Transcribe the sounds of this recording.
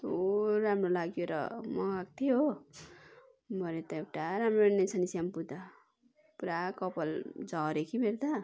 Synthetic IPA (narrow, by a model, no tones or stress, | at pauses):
t̪oɾamrolaɡjoɾʌ̰mʌɡak̚t̪ʰijo | bʱʌɾet̪ʌewʈaɾamronesʰʌnisjampud̪a | puɾakʌpʌld͡zʌɾekʰibʱeɾd̪a